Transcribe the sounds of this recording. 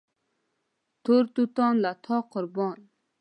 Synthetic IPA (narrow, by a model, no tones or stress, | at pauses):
t̪ʰoɾt̪ut̪ɑŋlat̪ʰɑqəɾbɑn